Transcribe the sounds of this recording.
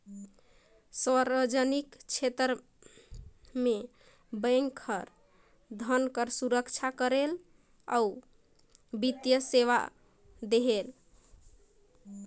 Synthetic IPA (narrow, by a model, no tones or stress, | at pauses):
swaɾbəd͡ʒənikt͡ʃʰet̪ɾ | me | bəŋkʰəɾ | d̪ʱənkəɾsuɾəkt͡ʃʰakəɾel | a̰u | bit̪jəseʋa̰ | d̪eɦel